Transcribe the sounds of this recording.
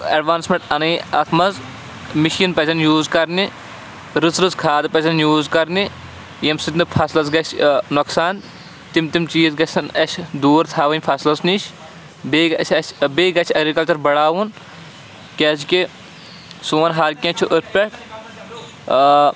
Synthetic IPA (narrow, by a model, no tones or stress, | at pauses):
ɐɖʋaːnsmʲeɳʈɐnɐːɐt̪ʰmɐz | miʃinpɐsʰʲɐnjuːzkɐɾni | ɾɨzɾɨzkʰaːd̪pɐzɐnjuːzkɐɾni | jɐmsit̪nɨpʰɐslɐzɡɐt͡ʃʰʲnoksaːn | t̪imt̪imt͡ʃiːzɡɐt͡ʃʲɐnɐʃʰʲd̪uːɾt̪ʰaːʋɐnʲpʰɐslɐsnit͡ʃʰ | beːɡɐt͡ʃʰʲɐt͡ʃbeːɡɐt͡ʃʰɐɡɾikɐlt͡ʃɐɾbɐɽaːʋun | kʲɛːzki | suːɐnɦaɾkʲɐ̃t͡ʃʰuʔɨɾpʲeʈ